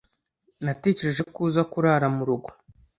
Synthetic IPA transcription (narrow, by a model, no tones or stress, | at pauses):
nate̞ːce̞ɾe̞ʒe̞kuːzakuɾaɾamuɾuɡo̞̥